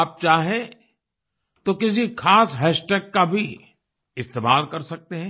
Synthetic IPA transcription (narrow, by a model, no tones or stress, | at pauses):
aːp̚t͡ʃaːɦẽ | t̪okɪs̬ixʰaːsɦɛːʃʈeːkːabʱi | ɪst̪eːmaːlkɐɾsɐk̚t̪eɦɛ̃ː